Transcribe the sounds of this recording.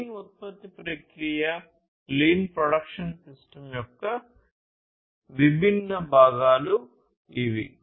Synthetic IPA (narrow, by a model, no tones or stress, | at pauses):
nut̪̚pɐt̪ːipɾɐkɾijɐ | liːnpɾoɽɐkʂɐnsisʈɐmjɔkːɐ | ʋibʱinːɐbʱaːɡaːlu | iʋḭ